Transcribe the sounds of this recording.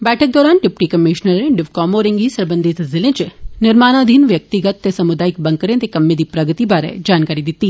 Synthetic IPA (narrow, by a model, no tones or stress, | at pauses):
bɛːʈʰək̚d̪ɔːɾaːnɖɪpʈikɐmɪʃnəɾẽɖɪʋkɔːmoːɾɪ̃ŋɡisɐɾbə̃nd̪ʱit̪zɪlẽt͡ʃnɪɾmaːnaːd̪ʱiːnʋjɐk̚t̪iɡət̪ːɐsɐmʊd̪aːɪkbɐ̃ŋkəɾẽt̪ekɐmːẽd̪ipɾɐɡət̪ibaːɾɛ̰d͡ʒaːnkaːɾid̪ɪt̪ːi